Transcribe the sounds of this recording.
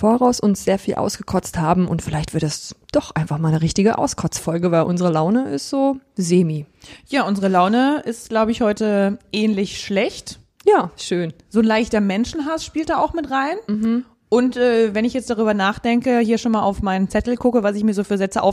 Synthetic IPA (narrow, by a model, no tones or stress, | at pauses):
foɐʁaʊsʔʊnsz̥eːɐfiːlʔa̰ʊsɡ̥əkʰɔt͡sthaːbm̩ʊ̰ntfɪlaɪçtv̥ɪɐt̚d̥asd̥ɔχʔaɪnfaχmaːlnəʁɪçtɪɡəʔa̰ʊskʰɔt͡sfɔlɡəvaɪlʔʊnzəʁəlaʊnəʔɪ̰stz̥oːzeːmiːjaːʔʊnzəʁəlaʊnəʔɪst̚ɡ̥laʊbəɪçhɔʏtəʔɛːnlɪçʃlɛçt | jaːʃøːn | z̥oːnlaɪçtɐmɛnʃn̩ɦasʃpiːltd̥aːaʊxmɪtʁaɪnm̩mm̩ | ʔʊntʔɛːvɛnɪçjɛt͡std̥aʁyːbɐnaːχd̥ɛŋkəhiːɐʃoːnmaːlʔaʊfmaɪnnt͡sɛtl̩kʰʊkəvasɪçmiːɐzoːfyːɐzɛt͡səʔa̰ʊf